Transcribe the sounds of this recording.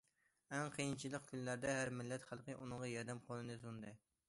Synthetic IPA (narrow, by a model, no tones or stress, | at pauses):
ɛŋqʰəjint͡ʃʰilˠəq̚kʲʰynlæɾd̪ɛɦæɾmɪlːɛt̪χælˠqəʔunɨŋʁɑjɑɾd̪ɛmqʰolˠɨnɨzund̪ɨ